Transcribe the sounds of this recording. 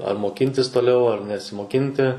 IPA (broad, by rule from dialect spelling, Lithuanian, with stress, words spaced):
ɐr moːˈkʲɪnʲtʲɪs toːˈlʲɛʊ ɐr nʲɛsʲɪmoːˈkʲɪnʲtʲɪ